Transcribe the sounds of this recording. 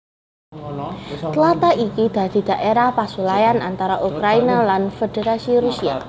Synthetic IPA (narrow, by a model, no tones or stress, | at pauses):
slat̪aʔikid̪̥a̤d̪̥i̤d̪̥a̤ʔeɾahpasulajanant̪aɾaʔukɾainalanfed̪̥eɾasiɾusia̰